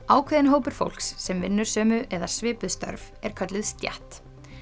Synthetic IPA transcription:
aːwkʰvɪːðɪnɦoːwpʏɾ̥fo̰wl̥ksːɛmvɪnːʏɾ̥sœːmʏʔɛðasvɪːpʏðst̪œ̰ɾv | ɛɾ̥kʰœt̪lɪðst̪ja̰ht̪

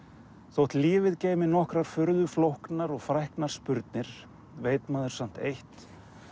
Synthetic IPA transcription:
θowht̪liːvɪðceːjmɪnɔhkɾaɾ̥fʏɾðʏflowhknaɾɔɣfɾajhknaɾ̥spʏɾt̪̚nɪɾ̥ | veːjt̪maːðʏɾ̥sam̥t̪ejht̪

